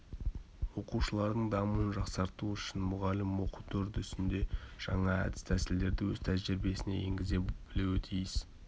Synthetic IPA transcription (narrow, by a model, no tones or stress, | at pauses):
wo̞quʃəlˠɑɾd̪əɴd̪ɑmuənʒɑqsɑɾt̪uʏʃɪnmʊʁɑlɪmwo̞qut̪ʰɵɾt̪ʏst̪ɪnd̪e̞ʒ̥ɑɴɑæ̰d̪ɪ̥st̪ʰæsɪld̪e̞ɾd̪ɪwɵz̥t̪ʰæzʒɪɾbe̞sɪne̞̰jḛŋɡʲɪze̞b̥ɪluwɪt̪ʰijɪs